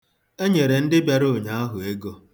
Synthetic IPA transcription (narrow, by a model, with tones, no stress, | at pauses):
e˦ɲe˨ɾe˨n̩˦dɪ˦bja˦ɾo˦˨ɲa˨˦a˦ɦʊ˨e˦ɡo˦